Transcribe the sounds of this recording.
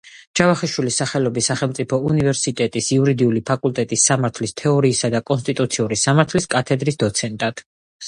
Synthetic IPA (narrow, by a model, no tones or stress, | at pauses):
d͡ʒavaχiʃwilisaχɛlɔbisːaχɛlˠmt̪ʼipʰɔunivɛɾsit̪ʼɛt̪ʼisiuɾid̪iulipʰakʼulˠt̪ʼɛt̪ʼisːamaɾt̪ʰlist̪ʰɛɔɾiːsad̪akʼɔnst̪ʼit̪ʼut̪sʰiuɾisamaɾt̪ʰliskʼat̪ʰɛd̪ɾisd̪ɔt̪sʰɛnt̪ʼad̪̥